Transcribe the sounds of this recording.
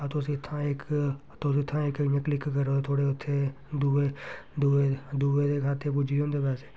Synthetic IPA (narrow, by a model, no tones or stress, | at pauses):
ət̪oːsit̪ʰãek | t̪osɪt̪ʰːãeːknəklɪkkəɾot̪ʰoːɽeʊt̪ʰːe | d̪ued̪ued̪uːʋed̪ekʰaːt̪epʊd͡ʒʱiõːnd̪ebɛːseː